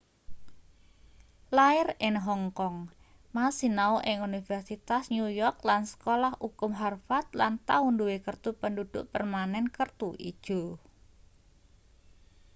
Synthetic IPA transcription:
laɪrɪnɦɔŋkɔŋ | masinaoʔɪŋunifɛrsit̪asɲujɔrk̚lansə̥kolahʔukʊmɦarfat̪̚lant̪aʊnduwekərt̪upəndud̪̥ʊʔpərmanɛnkərt̪uʔḭd̥ʒ̥o̤

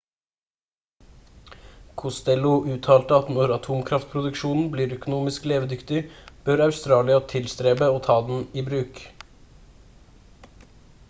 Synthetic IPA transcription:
kʰʊst̪ɛlʊʔʉːt̪ʰɑːlt̪əɑt̪nɔɾɑt̪ʰuːmkʰɾɑft̪̚pʰɾʊd̪ʉkʃuːnn̩bliːɾœkʊnuːmɪskleːʋəd̪ʏkt̪ɪb̥œɾɑʉst̪ɾɑːlɪɑt̪ʰɪlst̪ɾeːbəoːt̪ʰɑːd̪n̩iːbɾʉːk

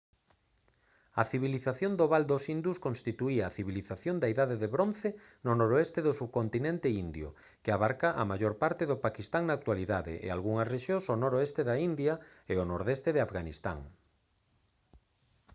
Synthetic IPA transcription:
ɐθiβiliθaθjond̪oβald̪osind̪uskonst̪it̪uiɐːθiβiliθaθjond̪aeiðaðeðeβɾonθe | nonoɾoest̪eðosuβkont̪inẽnt̪eind̪jʊ̰ | kɪaβaɾkaʔa̰maʝoɾpaɾt̪eðʊpakist̪aŋnaːk̚t̪waliðaðḛʔḛa̰lɣuŋɐsreʃjõŋsonoɾoest̪eðaind̪jɐ | eonoɾðest̪eðɪafɣanist̪a̰ŋ

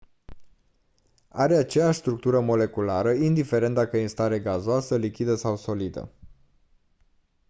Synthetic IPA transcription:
a̰ɾe̞at͡ʃejaʃʲst̪ɾuk̚t̪uɾəmo̞le̞kulaɾəind̪ife̞ɾe̞nt̪d̪akəinst̪aɾe̞ɡazoasəlikʲid̪əsawso̞lid̪ə̰

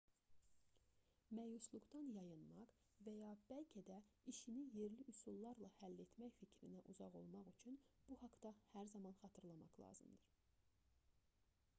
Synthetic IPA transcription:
mæjuslˠuɡd̪ɑnjɑjɯnmɑʁ | væjɑb̥ælcʰed̪æiʃinije̞ɾliʔusulˠːɑɾlˠɑhælːe̞t̪ʰmæçficʰɾinæʔuzɑʁo̞̰lˠmɑɣyt͡ʃʰynb̥uhɑkd̪ɑhæɾzɑmɑnχɑt̪ʰɯɾlˠɑmɑqlˠɑ̰ːzɯmd̪ɯɾ̥

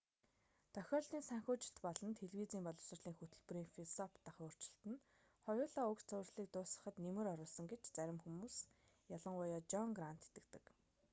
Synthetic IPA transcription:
t̪ʰœxʲɔːɮt̪iːnsæŋxʲʊːt͡ɕɪ̆ɬt̪pɔɮə̆nt̪ʰeɮwiːt͡siːmpɔɮɞ̆wsə̆rɮiːŋxut̪ɵ̆ɮpɵ̆ɾiːŋfisɔpʰt̪aχʊːr̥t͡ɕɪ̥̆ɬt̪ɘ̆n | χɔjʊːɮaːʊkt͡sæwrsɮiːk̚t̪ʊːsə̆χə̆t̪nemɘ̆ɾɔɾʊːɮsɞ̆ŋɡet͡ɕt͡sæɾʲɪ̆mxumuːs | jaɮə̆ŋʊjɔːt͡ɕɔŋɡran̥t̪ʰe̥t̪ɘ̆kt̪ɘ̆k

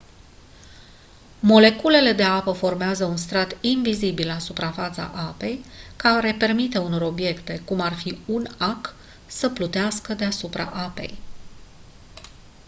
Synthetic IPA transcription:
mo̞le̞kule̞le̞d̪e̞apəfo̞rmeazəunst̪ɾat̪invizibilasupɾafat̪sa̰ʔape̞jkaɾe̞pe̞rmit̪e̞uno̞ɾo̞bje̞kt̪e̞kumarfiunak | səplut̪easkəd̪e̞asupɾa̰ʔape̞̰j

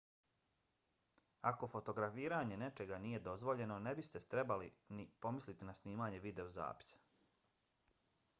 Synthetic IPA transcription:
ako̞fo̞t̪o̞ɡɾafiːɾaːɲe̞ne̞t͡ʃe̞ɡanije̞d̪o̞zʋo̞ʎe̞no̞ne̞bist̪e̞t̪ɾe̞balinipo̞mislit̪inasniːmaːɲe̞ʋid̪e̞oza̰ːpi̥sḁ

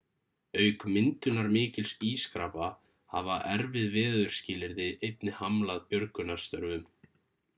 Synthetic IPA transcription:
œɥkmɪnt̪ʏnaɾmɪːcɪlsiːskɾaːpa | ha̰vaʔɛɾvɪðvɛːðʏɾ̥scɪːlɪɾðɪʔejt̪nɪhamlaðpjœɾkʏnḁst̪œɾvʏm

